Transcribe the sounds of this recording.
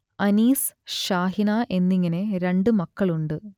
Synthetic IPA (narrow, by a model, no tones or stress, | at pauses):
ɐniːs | ɕaːɦinaːʔe̞nːiŋːɐne̞ɾe̞ɳɖɨmɐkːɐɭuɳɖɨ